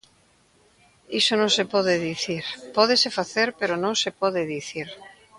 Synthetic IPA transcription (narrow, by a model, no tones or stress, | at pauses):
isonõŋsepɔðeðiθiɾpɔðesefaθeɾpeɾonõŋsepɔðeðiθiɾ